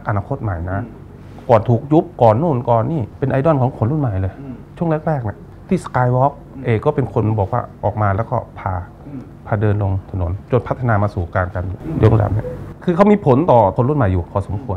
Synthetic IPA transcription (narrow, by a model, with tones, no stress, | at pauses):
kʔa˧naː˧kʰo˦˥t̪̚ma˨˩jna˦˥ | kɔː˨˩nt̪ʰuː˨˩k̚ju˦˥p̚kɔː˨˩nːuː˥˩nkɔː˨˩nːiː˧˥˩pe˧nʔa˧jdɔː˥˩˨nkʰɔː˨˦ŋkʰo˧nɾu˥˩nma˨˩jlɤː˧jt͡ɕʰu˥˩əŋlɛ˥˩k̚ɾɛː˥˩k̚ni˧˥˩ | t̪ʰiː˥˩skaː˧jwɔː˦˥k̚ʔeː˧kɔː˥˩pe˧nkʰo˧nbɔː˨˩k̚wa̰ː˧˩ʔɔː˨˩k̚maː˧lɛː˦˥wkɔ̰ː˥˩pʰaː˧ | pʰaː˧˩dɤː˧nlo˧ŋt̪ʰa˧no˨˩˦nt͡ɕo˧npʰt̪ʰːa˧naː˧maː˧suː˨˩kaː˧nka˧nju˨˩jo˦˥k̚la̰˨˩mni˧˥˩kʰɯː˧kʰa˦˥wmiː˧pʰo˩˦nt̪ɔː˨˩kʰo˧nɾu˥˩˨nma˨˩jːuː˨˩kʰɔː˧˩so˨˦mkʰu˧ən